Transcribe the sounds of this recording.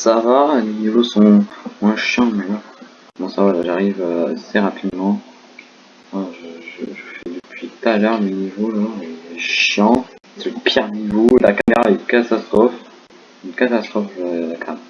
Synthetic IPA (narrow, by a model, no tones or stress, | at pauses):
savalenivosɔ̃mwɛ̃ʃjɑ̃mɛ | mɔ̃savalaʒaʁivøasɛʁapʰid̪mɑ̃ | mwaʒəʒəʒəfɛd̪əpʰɥit̪alœʁmenivolaleʃjɑ̃ | seləpʰiʁnivola̰kameʁaynkat̪ast̪χɔf | ynkat̪ast̪χɔflakʰam